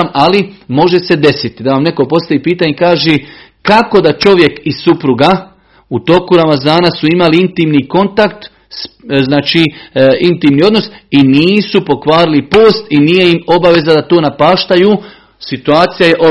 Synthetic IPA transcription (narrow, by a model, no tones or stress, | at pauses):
malimo̞ʒe̞se̞d̪e̞sit̪id̪aʋamne̞ko̞po̞st̪aʋiːpiːt̪aɲekaːʒe | kako̞d̪at͡ʃo̞ʋje̞kissupɾuɡa | ut̪o̞kuɾamazaːnasuimaliint̪iːmniko̞nt̪akt̪ | sznaːt͡ʃiːint̪iːmnio̞d̪no̞siniːsupo̞kʋaːɾilipo̞ːst̪inije̞imo̞baʋe̞zad̪at̪o̞ːnapaːʃt̪ajuː | sit̪uaːt̪sijaje̞ʔo